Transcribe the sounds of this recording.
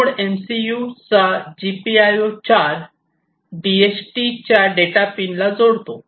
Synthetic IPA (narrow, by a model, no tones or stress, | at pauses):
oɽensijut͡sad͡ʑipiajot͡ɕaɾ | ɖiet͡ɕʈit͡ɕjaɖeʈapinlad͡zoɽt̪o